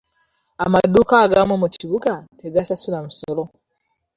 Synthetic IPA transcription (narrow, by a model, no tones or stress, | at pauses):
amadukaːɡamomuciβuɡate̞ɡasasulamuso̞lo̞